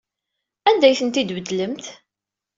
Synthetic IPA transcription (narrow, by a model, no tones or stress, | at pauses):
ænd̪æjθənt̪id̪vəd̪ːləmt̪